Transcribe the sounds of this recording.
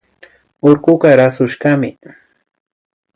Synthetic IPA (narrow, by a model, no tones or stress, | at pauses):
oɾɢʊɢɑɾasʊʃɢɑmɪ